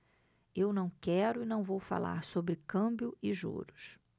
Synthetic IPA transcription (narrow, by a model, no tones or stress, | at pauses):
ewnɐ̃w̃kɛɾʊɪnɐ̃w̃vowfa̰la̰ɾsobɾɪkɐ̃bjʊɪʒṵɾʊs